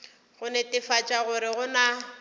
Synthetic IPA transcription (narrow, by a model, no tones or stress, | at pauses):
ɣʊnɛtʼɪfat͡ʃʼaɣʊɾɪɣʊna